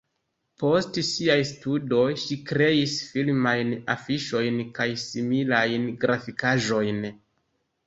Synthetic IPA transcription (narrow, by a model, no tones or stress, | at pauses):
po̞stsiajstudo̞jʃikɾe̞isfilmajna̰fiʃo̞jnkajsimilajnɡɾʔafikaʒo̞jn